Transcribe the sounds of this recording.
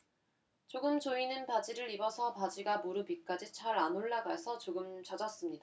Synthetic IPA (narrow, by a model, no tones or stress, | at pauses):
t͡ɕoɡɯmd͡ʑoinɯnpad͡ʑiɾɯɾibʌsʰʌpad͡ʑiɡamoɾubik͈ad͡ʑit͡ɕʰaɾanoɭːaɡaesʰʌt͡ɕoɡɯmt͡ɕʌd͡ʑʌs͈ɯmɲida